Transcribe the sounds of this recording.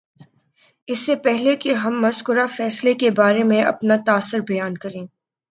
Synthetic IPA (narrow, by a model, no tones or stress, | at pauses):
ɪsːepɛɦlekeɦɐmːɐskʊɾafɛːslekebaːɾemẽʔɐ̰pnat̪aːsːəɾbɐjaːnkɐɾẽː